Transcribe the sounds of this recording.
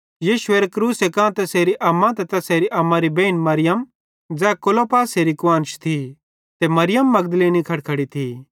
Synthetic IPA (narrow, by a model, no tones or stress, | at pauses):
jiːʃʊeːɾekɾuːsekãːt̪ɛseːɾiʔɐmːãt̪ɛt̪ɛseːɾiʔɐmːãɾibẽːnmɐɾɪjəm | d͡zɛːkolopaːseːɾikʊʋãːnt͡ʃt̪ʰi | t̪emɐɾɪjəmːɐɡd̪leːnikʰɐɽkʰɐɽit̪ʰi